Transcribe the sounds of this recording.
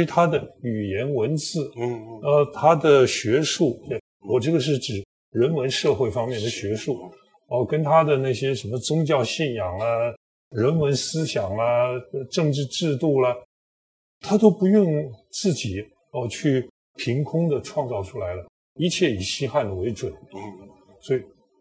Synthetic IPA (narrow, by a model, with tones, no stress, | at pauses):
y˧˥t̪ʰa˥d̪ə˨y˨˩jɛ˧˥nwə˧˥nt͡sɹ̩˥˩ə˧˩t̪ʰa˥d̪ə˨ɕɥɛ˧˥ʂu˥˩t̪we˥˩ɪ | wɔ˨˩ʈ͡ʂɤ˥˩ɡə˩ʂ̬ɻ̩˥˩ʈ͡ʂɻ̩˨˩˦ | ɻə˧˥nwə˧˥nʂɤ˥˧xwe˥˩ɪfɑ˥ŋmjɛ˥˩nd̪ə˩ɕɥɛ˧˥ʂu˥˩ | ə˧kə˥nt̪ʰa˥d̪ə˨na˥˩ɕjɛ˥ʂə˧˥nmə˧t͡sʊ˥ŋt͡ɕjɑ˥˧ʊɕi˥˩njɑ˨˩ŋə˦ | ɻə˧˥nwə˧˥nsɹ̩˥ɕjɑ˨˩ŋlə˦˧ʈ͡ʂɤ˥˧ŋʈ͡ʂɻ̩˥˧ʈ͡ʂɻ̩˥˧t̪u˥˩lə˩ | t̪ʰa˥t̪o˥ʊpu˧˥jʊ˥˧ŋt͡sɹ̩˥˩t͡ɕi˨˩˦ | ə˥˧t͡ɕʰy˥˩ | pʰi˧˥ŋkʰʊ˥ŋd̪ə˨ʈ͡ʂʰwɑ˥˧ŋt͡sɑ˥˩ʊʈ͡ʂʰu˥la˧˥ɪlə˧ | i˧˥t͡ɕʰjɛ˥˩i˨˩ɕi˥xa˥˩nd̪ə˩we˧˥ɪʈ͡ʂwə˨˩˦n | swɔ˧˥i˨˩